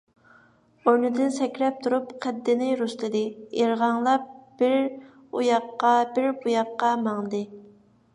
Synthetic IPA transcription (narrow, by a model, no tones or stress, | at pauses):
oɾnɨd̪ɪnsɛkʲɾɛp̚t̪ʰuɾupqʰɛd̪ːɪnɪɾuslˠɨd̪ɨeɾʁɑŋlˠɑp̚b̥ɪɾ | ujɑqːɑbɪɾbujɑqːɑmɑŋˠɨd̪ɨ